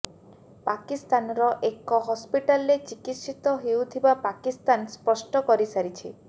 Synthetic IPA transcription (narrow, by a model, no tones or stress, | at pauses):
pakist̪anɔɾɔʔekɔɦɔspiʈalɾet͡ʃikit̪sit̪ɔɦewt̪ʰibapakist̪anspɔsʈɔkɔɾisaɾit͡ʃʰi